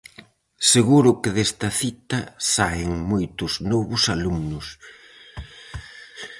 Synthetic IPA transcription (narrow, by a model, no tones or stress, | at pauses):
seɣuɾʊkɪðest̪ɐθit̪ɐsaɪŋmojt̪ʊznɔβʊsalumnʊs